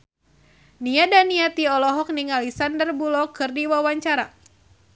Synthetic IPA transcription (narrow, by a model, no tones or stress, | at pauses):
niadaniat̪iɔlɔɦɔk̚niŋalisandərbulɔkɨrdiwawaɲt͡ʃaɾa